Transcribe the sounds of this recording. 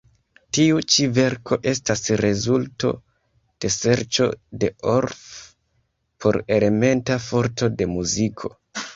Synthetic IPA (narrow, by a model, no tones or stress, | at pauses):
tiut͡ʃive̞ɾkʰo̞ʔe̞stasɾe̞zulto̞̰ | d̥e̞se̞ɾt͡ʃo̞̰de̞oɾf | pʰo̞ɾe̞le̞me̞ntafo̞ɾto̞de̞muzikʰo̞̰